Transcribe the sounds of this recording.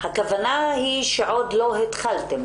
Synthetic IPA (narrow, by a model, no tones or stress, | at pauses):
hakavanahiʃeʕo̞d̪lo̞ɦet̪χalt̪em